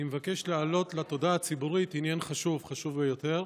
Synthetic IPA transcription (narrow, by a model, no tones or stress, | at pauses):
imevake̞ʃlealo̞t̪lat̪o̞d̪aːt͡sibuʁit̪injanχaʃuvχaʃuvbejo̞t̪e̞ʁ